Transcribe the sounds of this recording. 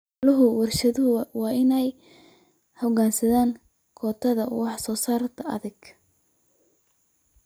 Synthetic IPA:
lɐɦʊwɑrʃɐðʊɦʊwɑːɪnɛj | hʊɡaːnsɐðaːŋ | kʰɔːt̪ʰɐðɐwɑħsɔːsaːrt̪ʰɐɐ̰ðɪɡ̥

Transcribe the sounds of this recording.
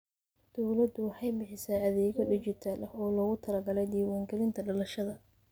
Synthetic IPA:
d̪̥ɔwlɐd̪ʊwɑħɑjbɪħɪsaːɐðɛːɣɔɖɪt͡ʃɪt̪ʰaːlʔɐhɔːlɔːɣʊt̪ʰɐlɐɡɐlɛjd̪iːwaːŋɡɐlɪnt̪ʰɐɖɐlɐʃɐðɐ

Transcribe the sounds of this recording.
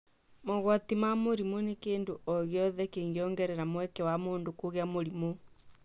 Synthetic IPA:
moɣwatimamoɾimonekeːndoʔɔɣjɔðɛkeːŋɡeɔːŋɡɛɾɛɾamwɛkɛwamoːndokoɣeamoɾimo

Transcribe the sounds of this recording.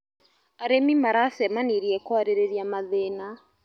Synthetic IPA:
aɾemimaɾasɛmaniɾiɛkɔaɾeɾeɾiamaðena

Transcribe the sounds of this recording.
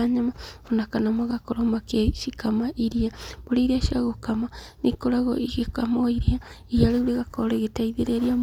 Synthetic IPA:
aɲamaonakanamoɣakoɾomakeʃikamaʔiɾiab̥oɾeɾiaʃiaɣokamanikoɾaɣo̰ʔiɣekamoiɾia | iaɾeuɾeɣakoɾeɣetaiðeɾeɾia

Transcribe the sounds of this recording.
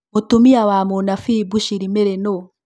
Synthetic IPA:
motumiawamonafibuʃiɾimeɾeno

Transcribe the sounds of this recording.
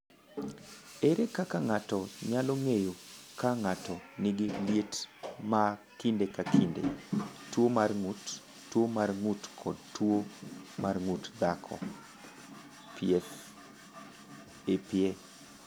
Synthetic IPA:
eɾekakaŋatɔɲalɔŋejokaŋatɔnɪɡɪljetma | kindekakʰindḛtwomarŋut | tːwomarŋutkʰɔdtwomarŋutd̪akʰɔ̰ | pies | epje

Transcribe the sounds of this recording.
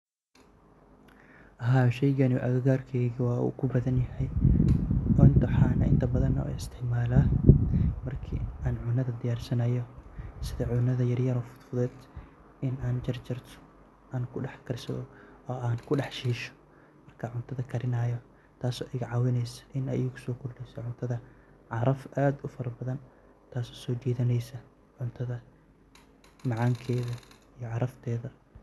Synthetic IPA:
ʔɐɦaːʃɛjɣɐnɪʔɐɣɐɣaːrkʰɛɣiwɑːṵːkʰʊbɐðɐnjɐhɛj | ʊnt̪ʰɐħaːnɐ̰ʔɪ̰nt̪ʰɐbɐðɐnɐ̰ṵɪst̪ʰɪʕmaːlaː | mɐrkʰḭʔaːnʕʊnɐðɐd̪ɪjaːrsɐnɐjɔsɪðɐʕʊnɐðɐjɐrjɐɾɔːfʊ̥t̪fʊðɛːd̪ | ɪnaːnd͡ʒɐrt͡ʃɪrt̪ʰɔ̥ | aːnkʰʊɖɑħkʰɐrsɐ̰ðɔɔːaːnkʰʊɖɑħʃiːʃɔ̥ | mɐrkʰɐʕʊnt̪ʰɐðɐkʰɐɾɪnaːjɔ | t̪ʰaːsɔːʔɪɣɐʕɑːwɪnɛjsɐ̥ʔɪnɛ̰jɪɡʊsɔːkʰʊrɖɛjsɐʕʊnt̪ʰɐðɐ | ʕɑɾɐfʔaːd̪ʊfɐɾɐbɐðɐn | t̪ʰaːsɔ̥ːsɔːt͡ʃɛːðɪnɛjsɐ | ʕʊnt̪ʰɐðɐ | mɑʕɑːŋkʰɛːðɐijɔʕɑɾɐft̪ʰɛːðɐ

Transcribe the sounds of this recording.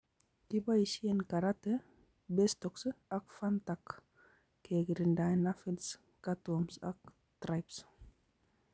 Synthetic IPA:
tibaiʃienkaɾat̪e | best̪ɔksɨakfant̪ak | keɡiɾindajnafils | kat̪omsa̰k̚ | t̪ɾajps

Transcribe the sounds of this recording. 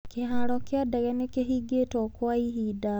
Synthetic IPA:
keɦaɾɔkjadaɣɛnekeɦiɡetɔkwaiɦida

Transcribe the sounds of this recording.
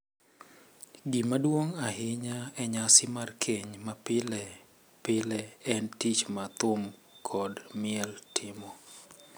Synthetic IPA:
ɡimadwoŋaɦɪɲaɛɲasɪmarkʰeɲmapɪlɛ | pɪlɛɛntit͡ʃmat̪ʊmkʰɔdmɪɛltʰɪmɔ

